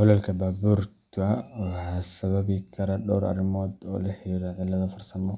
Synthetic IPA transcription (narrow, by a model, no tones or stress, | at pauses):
hɔlɛlkʰɐbaːbuːrt̪ʰʊɐwħasɐβɐβɪkʰɐɾɐɖɔːɾɐ̰rɪmɔːd̪ɔ̰ːlɐħɪɾiːɾɐʕɪlːɐðɐfɐrsɐmɔ